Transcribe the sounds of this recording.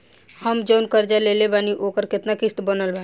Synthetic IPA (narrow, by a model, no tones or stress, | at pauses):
həmd͡ʒoːnkəɾd͡ʒalelebaːniʔoːkəɾkɪt̪nakɪst̪bənəlbaːi